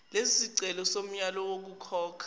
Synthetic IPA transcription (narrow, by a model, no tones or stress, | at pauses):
lesisiǀɛlɔsom̩ɲalɔwok̬ukʰɔːkʰḁ